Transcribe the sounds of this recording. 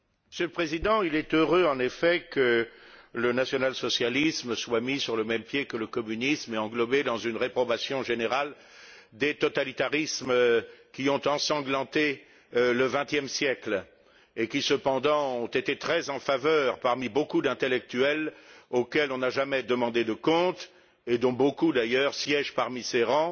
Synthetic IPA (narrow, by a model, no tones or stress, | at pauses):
məsjøləpχezid̪ɑ̃ilɛt̪øʁøɑ̃nefɛkələnasjɔnalsɔsjalisməswamisyʁləmɛmpjekələkɔmynismeɑ̃ɡlɔbed̪ɑ̃zynʁepχɔbasjɔ̃ʒeneʁal | d̪et̪ɔt̪alit̪aʁismkʲiɔ̃t̪ɑ̃sɑ̃ɡlɑ̃t̪e | ləvɛ̃t̪jɛmsjɛkl | ekʲisəpɑ̃d̪ɑ̃ɔ̃t̪et̪et̪χɛzɑ̃favœʁpaʁmibokud̪ɛ̃t̪elɛk̚t̪yɛlokʲɛlɔ̃naʒamɛd̪əmɑ̃d̪ed̪əkɔ̃t̪ | ed̪ɔ̃bokud̪ajœːʁsjɛʒpaʁmiseʁɑ̃